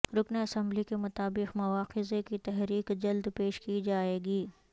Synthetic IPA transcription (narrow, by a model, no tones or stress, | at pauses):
ɾʊkniɐsɐ̃mblikemʊt̪aːbɪqmɐʋaːqɪzekit̪ɛɦɾiːqd͡ʒɐld̪peːʃkid͡ʒaːeːɡiː